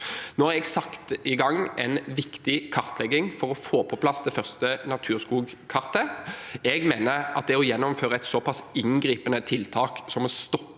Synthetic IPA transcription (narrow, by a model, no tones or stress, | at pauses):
nɔʁɛɡsɑkt̪ɪɡɑŋːʔɛnʋɪkt̪ɪkʰɑʁt̪lɛɡːɪŋfɔʁɔfoːpʰɔpʰlɑsd̪ɛfœʁst̪ənɑt̪ʰʉːʁskuːɡkʰɑʁt̪əɛɡmeːnəʁɑt̪̚d̪ɛɔjɛnːɔmføːʁəɛt̪sɔpʰɑsɪŋɡɾiːpənət̪ʰɪlt̪ʰɑːksɔmɔst̪ɔp